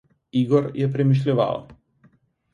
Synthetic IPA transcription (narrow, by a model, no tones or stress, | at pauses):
iːɡɔɾjiɛpʲɾʲɪmʲɪʃ̬ʲlʲɪʋɑ̰ːʋo̰